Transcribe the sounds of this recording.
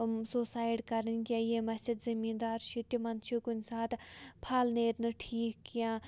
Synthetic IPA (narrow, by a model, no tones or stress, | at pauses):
soːsaːjeʈkɐɾənkʲaːjeːmɐsid̪zimiːnd̪aːɾʃʰit̪ʲimɐnt̪t͡ʃʰikunʲsaːt̪pʰaːlneːɾnɨʈʰiːkːijãː